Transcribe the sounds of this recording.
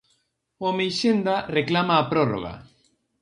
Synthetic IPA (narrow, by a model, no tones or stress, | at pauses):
omejʃend̪areklamaːpɾoro̰ɣa̰